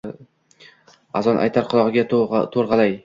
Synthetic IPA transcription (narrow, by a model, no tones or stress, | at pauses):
azɒnʔa̰jt̪ʰaɾqʰʊlˠɒʁɨɡʲat̪ʰoɾʁɑlaj